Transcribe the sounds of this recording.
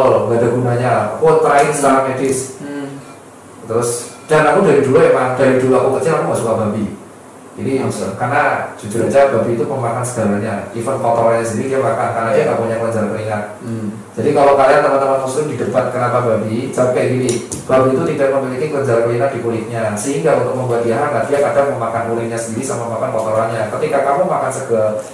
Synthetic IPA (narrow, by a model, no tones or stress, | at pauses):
oŋɡadaɡunaɲaa̰kut̪ɾaɪnsəlamamɛdɪs | t̪əɾʊs | d̥anakudaɾid̥uluɛmaŋd̥aɾiduluakukət͡ʃɪlakuŋɡasukababi | ɡinimusə̰nkarnad͡ʒ̥ud͡ʒʊɾad͡ʒab̥abiːt̪upəmaŋansə̥ɡ̥alaɲaifənkɔt̪ɔaɲasəndiɾikaɡakankarnadijaŋɡaʔpuɲakələɲd͡ʒaɾkəlinat̪̚ | d͡ʒ̥adikalokaliant̪əmant̪əmanmuslɪmdidəpat̪̚kənapababit͡ʃap̚kaɡinɪb̥abiːt̪ut̪idak̚məmilikikləɲd͡ʒaɾakəlinad̥ikulɪk̪̚ɲasəɦiŋɡaunt̪ʊk̚məmbuat̪̚iaɦaŋɡaʔd̥iakadaŋ̚məmakankulɪk̚ɲasəndiɾisamamakankɔt̪ɔɾaɲakət̪ikakamumakansəɡə